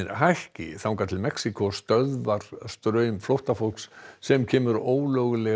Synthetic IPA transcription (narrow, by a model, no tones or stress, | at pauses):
nhajhcɪ̰θawŋkat̪ʰɪlmɛksikɔst̪œðvaɾ̥st̪ɾœːɥmflowht̪afol̥kssɛmcʰɛːmʏɾoːwlœɣʏlɛ